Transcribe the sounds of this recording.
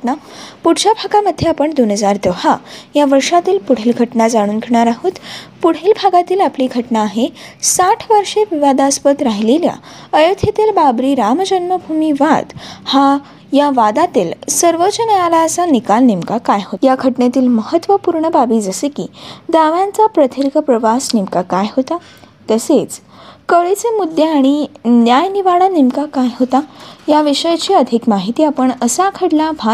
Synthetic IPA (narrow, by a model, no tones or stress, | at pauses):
na | puɽt͡ɕabʱaɡaməd̪ʱːjeapəɳd̪onɦəd͡zaɾd̪əɦajaʋəɾʂat̪iːlpuɽ̤eːlɡʱəʈnad͡zaɽ̃uːnkʰeɽɳ̃aɾaɦuːt̪puɽ̤eːlbʱaɡat̪iːlapliːɡʱəʈnaːɦesaʈʰʋəɾʂeʋiʋad̪aspət̪ɾaɦilelja̰ | əjət̪ʰet̪eɾbabɾiːɾamd͡ʑənməbʱumiʋad̪ha | jaʋad̪at̪iːlsəɾʋət͡ɕənəjalaəsanikalnimkakajɦojakʰəʈnet̪iːlməhət̪ːʋəpuɾɳəbabʱiːd͡zəsekḭd̪aʋjãnt͡sapɾət̪ʰiɾikpɾəʋasnimkakajɦot̪a | t̪əset͡s | kəɭet͡semud̪ːeaɽ̃injajniʋaɽanimkakajɦot̪ajaʋiʂəjt͡ɕiːəd̪ʱikmaɦit̪iːapəɳəsakʰəɽlabʱa